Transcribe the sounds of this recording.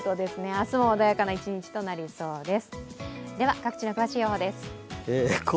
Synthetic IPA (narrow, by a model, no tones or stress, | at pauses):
t̪od̪e̞sɨne̞asɨmoːd̪ajakanait͡ɕiɲ̟it͡ɕi̥t̪o̞naɾʲiso̞ːd̪e̞sɨ̥d̪e̞βakakɯ̥t͡ɕino̞kɯ̟βaɕiːoɦoːd̪e̞sɨ̥ek